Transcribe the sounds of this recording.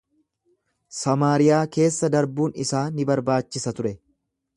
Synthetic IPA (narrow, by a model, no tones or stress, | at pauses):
sɐmaːɾɪjaːke̞ːsːɐd̪ɐɾbuːnɪsaːnɪbɐɾbaːt͡ʃːɪsɐt̪ʊɾɛ